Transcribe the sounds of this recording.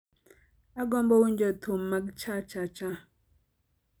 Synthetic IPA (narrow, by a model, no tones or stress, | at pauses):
aɡɔmbɔwun̩d͡ʒɔtʰom̩makt͡ʃat͡ʃat͡ʃa